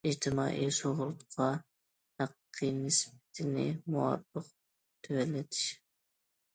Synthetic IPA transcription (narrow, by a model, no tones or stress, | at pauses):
id͡ʒt̪ʰɪmɑ̰ːʔisoʁʊlˠt̪qʰɑ | hæqʰːɨnɪsb̚ɪ̥t̪ʰɪnɪ̰muɑ̰bɨq | t̪ʰøwɛlːɪt̪ʰɪ̥ʃ